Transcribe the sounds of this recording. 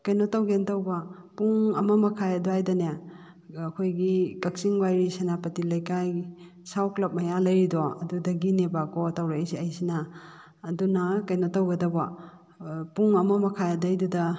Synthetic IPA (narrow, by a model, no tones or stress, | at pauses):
kɐjnotɐwɡentɐwbɐpuŋɐmɐmɐkʰajɐduajdɐneː | kʰojɡikɐk̚siŋwajɾisɐnapɐtilɐjkaj | sawklɐp̚mɐjalɐjɾidoɐdudɐɡinebakotawɾɐjsiɐjsinaː | dunɐkɐjnotːɐwɡɐdɐbɐ | puŋɐmɐmɐkʰajɐdɐjdudɐ